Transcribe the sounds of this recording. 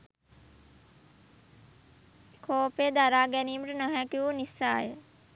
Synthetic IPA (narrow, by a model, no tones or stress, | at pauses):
kʰoːpeːd̪aɾaːɡɛniːməʈənəɦækiuːnisa̰ːjə